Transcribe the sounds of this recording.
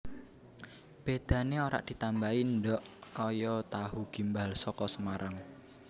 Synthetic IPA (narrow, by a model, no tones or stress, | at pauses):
b̥ed̪̥ä̤neoɾa̰ʔd̪̥i̤t̪ambaindɔʔkɔjɔt̪aɦuɡ̥i̤mbalsɔkɔsəmaɾʔaŋ